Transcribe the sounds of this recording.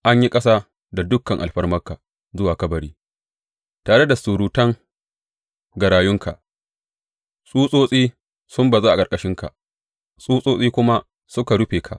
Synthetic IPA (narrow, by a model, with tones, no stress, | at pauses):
ʔa˦ɲji˦kʼɐ˦saː˦ | da˨dʊ˦kːɐ˨ŋʔa˨lɸɐ˦rmɐ˦kaː˨ | zʊ˦waː˨kɐ˦bɐ˨ɽiː˦ | taː˨ɽe˦da˨su˨ɽuː˨tɐ˦ŋ | ɡɐ˨ɽaː˨jʊ˦ŋka˨ʔ | sʼuː˦sʼoː˦sʼiː˦ | sʊ˦mba˨zaː˦ʔa˨kʼɐ˨kʼɐ˨ʃɪ˦ŋka̰˨ | sʼuː˦sʼoː˦sʼiː˦kʷʊ˦ma˦ | sʊ˦ka˨ɽʊ˦ɸeː˨kʰa̰˨ʔ